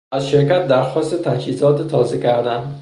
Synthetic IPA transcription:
azʃɪɾkʲat̪̚d̪aɾχɒst̪ɪt̪ʰad͡ʒhɪzɒt̪ɪt̪ʰɒzakʲaɾd̪ɪn

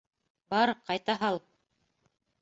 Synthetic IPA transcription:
bɑɾqɑjt̪ɑɦɑlˠ

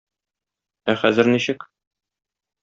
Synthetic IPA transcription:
æχæzɘ̆ɾniɕɘk

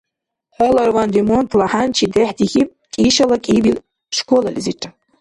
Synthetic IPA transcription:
ħalarwand̪emont̪ʰlaħant͡ʃʰid̪ɛħd̪ixʲipʼkʲʼiʃalakʼibil | ʂkʷolalʲiziʈ͡ʂʼa

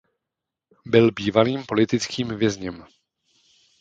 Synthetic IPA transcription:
bɪlbiːvaliːmpo̞lɪt̪ɪt͡skiːmvjɛzɲɛm

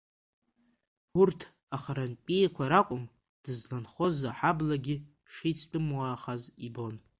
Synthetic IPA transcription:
urtʰ | aχaɾanpʲʼijkʷaɾaqʷʼʊm | d̥ɨzlanχo̞zaħablaɡʲɪ | ʂit͡sʰtʼɨmwaːχazibo̞n

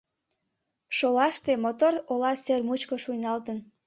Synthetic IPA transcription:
ʃolɑʃt̪emot̪orolɑsermut͡ɕkoʃujnɑlt̪ən

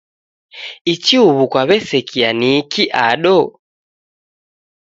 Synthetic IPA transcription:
it͡ʃiuβukwaβɛsɛkʰianikiʔaɗɔ

